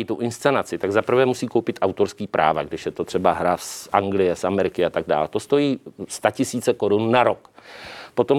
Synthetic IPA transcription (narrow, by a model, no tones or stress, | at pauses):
it̪uʔɪnst̪t͡sɛnat͡sɪt̪aɡzapr̩vɛːmusiːkowpɪt̪ʔawt̪oɾskiːpɾʔa̰ːvaɡdɪʃjɛt̪ot̪r̥ɛbaɦɾasʔaŋɡlɪjɛsamɛɾɪkɪat̪aɡ̚da̰ːlt̪o̞st̪o̞jiːst̪acɪsiːt͡sɛko̞ɾunːaɾokpo̞t̪o̞m